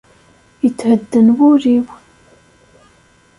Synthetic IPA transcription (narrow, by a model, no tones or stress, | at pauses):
jət͡sːhəd̪ːənwʊɾiw